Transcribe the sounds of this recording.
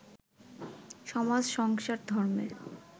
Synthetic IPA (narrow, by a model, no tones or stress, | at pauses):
ʃɔmad͡ʑʃɔŋʃaɾd̪ʱɔɾmḛɾ